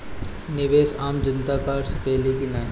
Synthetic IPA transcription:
nɪʋeːsaːmd͡ʒɐnt̪akaːɾsɐkeːlikinaːi

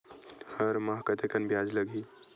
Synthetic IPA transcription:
hɐɾmaɦkət̪ekənbjaːd͡ʒlɐɡiː

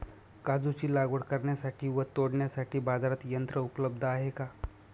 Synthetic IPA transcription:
kad͡zut͡ɕiːlaɡʋəɽkəɾɳjasaʈʰiːʋət̪oɽɳjasaʈʰiːbad͡zaɾat̪jənt̪ɾəupləb̚d̪ʱəaɦeka

